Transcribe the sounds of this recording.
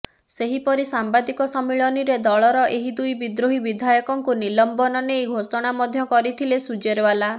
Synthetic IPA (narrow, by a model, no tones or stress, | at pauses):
seɦipɔɾisambad̪ikɔsɔmiɭɔniɾed̪ɔɭɔɾɔʔeɦid̪ujbid̪ɾoɦibid̪ʱajɔkɔŋkunilɔmbɔnɔneːɡʱosɔɽ̃amɔd̪ʱjɔkɔɾit̪ʰilesud͡ʒeɾbala